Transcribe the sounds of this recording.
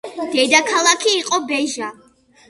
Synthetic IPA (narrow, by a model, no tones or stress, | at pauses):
d̪̥ɛd̪akʰalˠakʰiːqʼɔbɛʒa